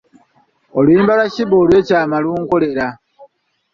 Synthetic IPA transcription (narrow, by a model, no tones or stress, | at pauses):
olwiːmbalaciβo̞ːlwe̞ːcaːmaluːŋko̞le̞ɾa